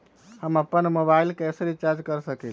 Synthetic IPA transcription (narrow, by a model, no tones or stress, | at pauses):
həməpːənmobailkɛsɾit͡ʃaɾd͡ʒkəɾsəkɛl